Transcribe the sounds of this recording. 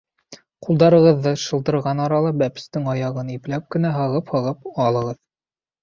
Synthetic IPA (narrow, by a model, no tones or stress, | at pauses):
qulˠd̪ɑɾɤ̆ʁɤ̆ðːɤʃɤ̆lˠd̪ɤ̆ɾʁɑnɑɾɑlˠɑbæpɘ̥̆st̪ɘŋɑjɑʁɤniplæp̚kɘ̆næɦɤ̆ʁɤphɤ̆ʁɤpɑlˠɤ̆ʁɤð